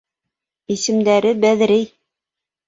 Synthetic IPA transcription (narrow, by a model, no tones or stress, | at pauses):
isɘ̆md̪æɾɘbæðɾɘj